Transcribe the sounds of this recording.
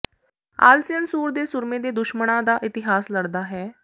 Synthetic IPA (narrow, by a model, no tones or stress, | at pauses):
a̰ːlsɪənsuːɾd̪eːsʊɾmẽd̪eːd̪ʊʃməɽ̃ãd̪aːʔɪt̪ɪɦaːsləɽd̪aːɦɛː